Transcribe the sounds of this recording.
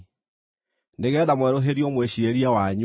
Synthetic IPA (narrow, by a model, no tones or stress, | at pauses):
neɣɛðamwɛɾoɦeɾiɔmweɕieɾiawaɲ